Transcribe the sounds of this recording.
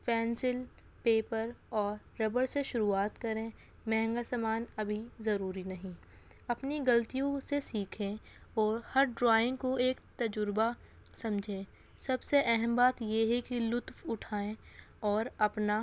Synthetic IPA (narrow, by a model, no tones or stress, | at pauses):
pɛ̃ːnsɪl | peːpəɾɔːɾːɐbəɾseʃʊɾuaːt̪kɐɾẽ | mɛɦŋɡasamaːnɐbʱizɐɾuːɾinɐɦĩ | ɐpniɡɐlt̪ijõsesiːkʰẽ | ɔːɾhɐɾɖɾaːɪ̃ŋɡkoeːkt̪ɐd͡ʒʊɾba | sɐ̃md͡ʒʱẽː | sɐbseʔɛɦɛmbaːt̪jeɦɛkilʊt̪fʊʈʰaːẽ | ɔːɾɐpna